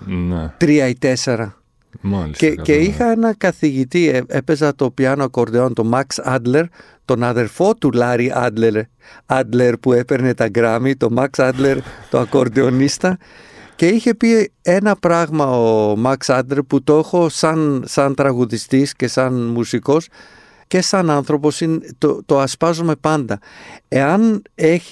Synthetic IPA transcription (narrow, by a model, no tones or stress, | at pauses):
nt̪ɾiɐit̪e̞se̞ɾɐ | aleceixɐenɐkɐθiʝit̪iepe̞zɐt̪o̞piɐnoɐko̞ɾd̪eo̞nt̪o̞mɐksɐd̪le̞ɾ | t̪o̞nɐðe̞ɾfo̞t̪ulɐɾiʔɐ̰d̪leɾ | ɐd̪le̞ɾpue̞pe̞ɾne̞t̪ɐɡɾɐmit̪o̞mɐksɐd̪le̞ɾt̪oɐko̞ɾd̪eo̞nist̪ɐ | ce̞içe̞pie̞nɐpɾɐɣmɐomɐksɐd̪leɾput̪o̞xo̞sɐnsɐnt̪ɾɐɣuðist̪isce̞sɐnmusiko̞s | ce̞sɐnɐnθɾo̞po̞sint̪ot̪o̞ɐspɐzome̞pɐnd̪ɐe̞ɐne̞ç̥